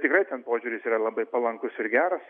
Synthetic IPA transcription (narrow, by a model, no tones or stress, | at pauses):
t̪ʲɪkrɐɪt̪ʲɛnpoːʒʲuːɾʲɪsiːrɐlˠɐbɐɪpɐlˠɐŋkʊsɪɾɡʲæːɾɐs